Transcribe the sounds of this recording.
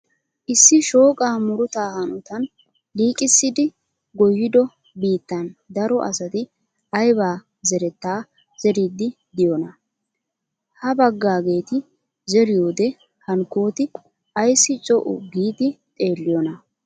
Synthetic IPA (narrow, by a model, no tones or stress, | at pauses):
ʔɪsːɪʃo̞ːkʼaːmʊɾʊt̪aːhɐnʊt̪ɐn | liːkʼɪsːɪd̪ɪ | ɡɔjːɪd̪ɔ | biːt̪ːɐnd̪ɐɾɔʔɐsɐt̪ɪ | ɐjbaː | zɛɾɛt̪ːaː | z̥ɛɾid̪ɪ | d̪ɪjɔnɐ | hɐbɐɡːaːɡe̞ːt̪ɪ | zɛɾɪjoːd̪ɛ | hɐnkoːt̪ɪ | ɐjsːɪt͡ʃʼɔʔʊ̰ɡiːd̪ɪt̪ʼe̞ːlːɪjɔnɐ